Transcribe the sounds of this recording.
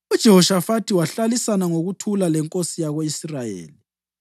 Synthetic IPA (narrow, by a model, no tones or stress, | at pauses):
ud̥ʒ̥ʱɛhɔʃafatʰiwaɬalisanaŋoɣutʰulalɛŋkʼosijaɣoisrajḛːli